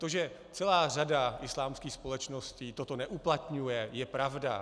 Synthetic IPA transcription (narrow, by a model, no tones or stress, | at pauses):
t̪oʒɛ | t͡sɛlaːradaʔɪslaːmskiːxspo̞lɛt͡ʃno̞sciːt̪ot̪o̞nɛʔuplat̪ɲujɛjɛpɾavda̰